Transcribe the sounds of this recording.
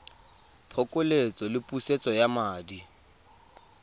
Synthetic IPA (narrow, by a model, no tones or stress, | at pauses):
pʰɔkʼʊlet͡sʼɔlɪpʼuset͡sʼɔjamaːdi